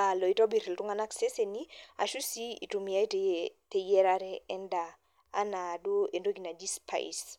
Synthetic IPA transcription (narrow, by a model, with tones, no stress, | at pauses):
a˨lɔ˨i˦tɔ˦bi˨ɾi˨ltu˦ŋa˦na˦kse˦se˨ni˦a̰˨ʃu˦si˦ḭ˨tu˨mi˨a˦i˦tte˨jɛ˦ɾaɾɛɛ˦ndaː˨˦ | na˨do˦ʔe˨ndo˦ɡi˨na˨d͡ʒi˦spʰa̰˨j̰s